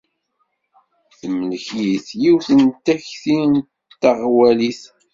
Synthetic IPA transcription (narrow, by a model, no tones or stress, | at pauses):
θmələçjiθjiwθənt̪æçθin | t̪ːɑʁwæliθ